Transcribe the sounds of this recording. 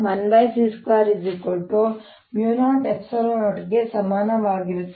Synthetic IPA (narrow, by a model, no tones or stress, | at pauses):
mɐnbɐjsiskaːɾid͡ʒikoʈːu | mjuːnaːʈepsɐloʈɡe̞sɐmaːnɐʋaːɡiɾut̪ː